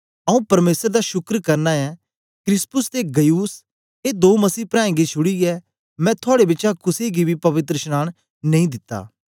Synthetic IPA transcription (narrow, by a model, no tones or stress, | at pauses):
ɐũpɐɾmeːsəɾd̪aʃʊkɾkɐɾnaɛ | kɾɪspʊst̪eɡɐjuːs | ed̪oːmɐsiːpɾãːẽɡit͡ʃʰʊɽiɛ | mɛ̃t̪ʰaːɽebɪt͡ʃakʊseɡibʱipɐʋɪt̪ɾəʃnaːɽ̃ | nɐ̃ĩd̪ɪt̪ːa̰ː